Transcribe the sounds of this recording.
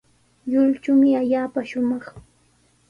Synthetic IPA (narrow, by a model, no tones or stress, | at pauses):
ʎʊlt͡ʃʊmɪaʎaːpaʃʊmɑχ